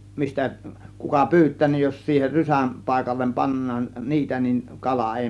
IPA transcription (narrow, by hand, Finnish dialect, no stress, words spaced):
mistæ kukɑ pyːtˑæː nin jos siːher rysæm pɑˑe̝kɑlːem pɑnːɑːn niːtæ nin kɑlɑ eˑi